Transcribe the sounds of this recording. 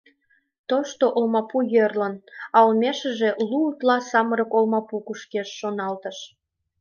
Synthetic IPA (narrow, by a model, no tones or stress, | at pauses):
t̪oʃt̪oʔolmɑpujørlənɑlmʲeʃə̆ʒeluːt̪lɑsɑməɾəkolmɑpukuʃkeʃːonɑlt̪əʃ